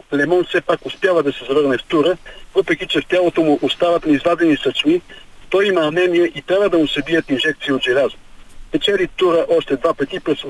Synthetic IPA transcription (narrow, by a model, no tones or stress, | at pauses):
lɛmɔnfsɛpakʊspjavəd̪ɐsɛzɐvɤɾnɛft̪uɾəvəpɾɛkʲit͡ʃɛft̪ʲjalˠot̪omʊʔost̪avɐt̪nɐizvad̪ɛnisɐt͡ʃmit̪ɔjimɐɐnɛniɛʔit̪ɾʲabvəd̪ɐmʊsɐbiət̪inʒɛk̚t̪siːod̪ʒɛlʲazm | pɛt͡ʃɛlit̪uɾəʔɔʃt̪ɛd̪vapət̪ipɾɛs